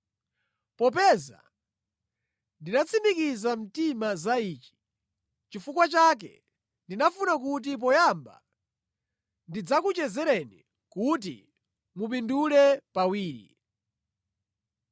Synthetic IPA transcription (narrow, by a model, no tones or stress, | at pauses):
pɔp̬ɛza̰ | ndinat͡sʰimikizam̩timazaiːt͡ʃi̥ | t͡ʃifukwat͡ʃak̬ɛ̰ | ndinafunak̬ut̬ip̬ɔjamba̰ | ndid͡zakut͡ʃɛzɛɾɛni | kut̬ḭ | mup̬indulɛpawiːɾḭ